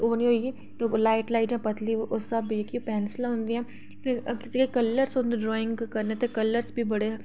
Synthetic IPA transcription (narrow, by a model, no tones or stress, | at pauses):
oːniɦoːiɡi | t̪olaːɪʈlaːɪʈd͡ʒãpɐt̪liʔosɐbjekipɛːnslaɦõnd̪iɦɛ̃ | t̪ekkekɐlːəɾsõnd̪eɖɾɔːɪ̃ŋɡkɐɾnet̪ekɐlːəɾsbʱibɐɽe